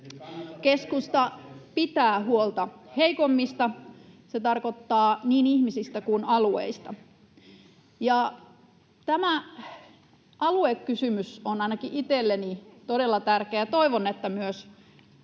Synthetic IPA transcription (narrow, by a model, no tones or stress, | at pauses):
keskust̪ɑpit̪æːɦuolt̪ɑheikomːist̪ɑset̪ɑrkot̪ːɑːniːnihmisist̪ækunɑluḛist̪ɑ | jɑ | t̪æmæ | ʔɑluekːysymysonɑinɑkiʔit̪elːenit̪ode̞lːɑt̪ærkeæt̪oiʋonːet̪ːæmyøs